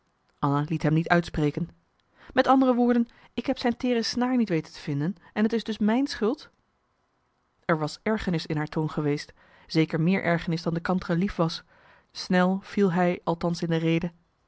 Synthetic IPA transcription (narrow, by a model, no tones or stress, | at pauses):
ʔɑnalitɦɛmnitœɥtspreːkən | mɛtɑndərəʋʊːɹdən | ɪkɦɛpsɛjntɪːrəsnaːɹnitʋejtəntə̥v̥ɪndənɛnɦətɪzdɵsmɛjnsχʏlˠt | ɛɹʋɑsɛɹχənɪsɪnɦaːɹtʰownχəʋejst | z̥ejkəɹmɪːɹʔɛɹχənɪsdɑndəkɑntrəlifʋɑs | snɛlˠv̥ilˠɦɛjɑlˠtɑnsɪndərejdə